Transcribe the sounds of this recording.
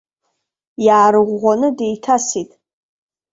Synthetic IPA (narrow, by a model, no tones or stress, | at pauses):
jaːɾɨʁʷːanɨde̞jtʰasitʼ